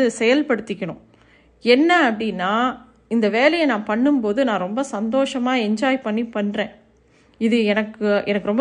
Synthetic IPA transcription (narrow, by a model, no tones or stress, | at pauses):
ɯsɛjɐlpɐɽɯt̪ːɪkʲːɐɳʊ̰̃ | ɛnːɐɐpːɐɽɪnːaː | ɪnd̪ɐʋeːlɐjɐnãːpɐɳːɯmpoːðɯnãːɾɔmbɐsɐnd̪oːʂɐmaːɛɲd͡ʒaːjpɐɳːipːɐɳːɾẽː | ɪðɯɛnɐkːɯʔɛnɐkːɯɾɔmb